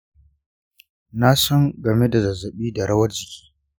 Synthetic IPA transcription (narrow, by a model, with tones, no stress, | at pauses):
na˦sɔ˦ŋɡɐ˨me˦da˨zɐ˨zɐ˨ɓiː˦da˨ɽɐ˦wɐ˦rd͡ʒɪ˨kʲi̥ː˦